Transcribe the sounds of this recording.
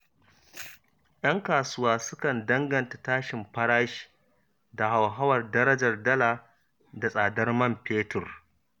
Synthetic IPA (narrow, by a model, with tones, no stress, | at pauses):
jʔɐ˦ŋkaː˨sʊ˦waː˦sʊ˦kɐ˨ndɐ˦ŋɡɐ˨nta˨taː˦ʃɪ˨mɸɐ˦ɽaː˦ʃi̥˦˨ | da˨ɦa˨wɦa˦wɐ˨rdɐ˦ɾɐ˦d͡ʒɐ˨rdɐ˦laː˨ | da˨sʼaː˨dɐ˦rmɐ˦mpeː˦tʊ˨r